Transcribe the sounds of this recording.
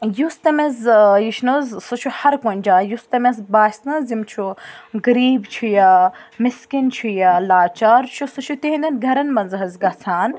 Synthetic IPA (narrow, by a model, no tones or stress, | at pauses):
just̪ɐmɐzjiʃnuzsut͡ʃʰuhɐɾkonʲd͡ʒaːjust̪ɐmʲezbaːʃnɐzimt͡ʃʰuɡɐɾiːbt͡ʃʰujɐmiskint͡ʃʰujɐlaːt͡ʃaːɾt͡ʃʰusut͡ʃʰut̪eɦĩnd̪ɐnɡʱɐɾɐnmɐnzɦɐzɡɐt͡sʰaːn